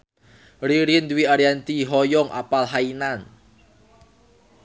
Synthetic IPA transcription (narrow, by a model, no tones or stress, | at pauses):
ɾiɾind̪wiaɾiant̪iɦɔjɔŋʔa̰palɦainan